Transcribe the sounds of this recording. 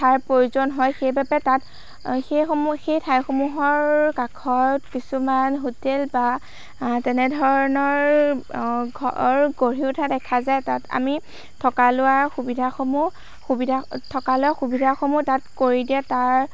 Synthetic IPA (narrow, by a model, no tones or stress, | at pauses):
tʰaɹpɹojuzɔnɦɔjxejbapɛtat | xejxɔmxejtʰajxomuɦɔɹkakʰɔtkisumanɦutelba | tɛnɛdʱɔɹɔnɔɹ | ɡʱɔɹɡoɹiʊtʰadɛkʰazajtata̰mi | tʰɔkalʊwaɹxubidʱaxomu | xubidʱatʰɔkalʊaxubidʱaxomutatkoɹidijɛtaɹ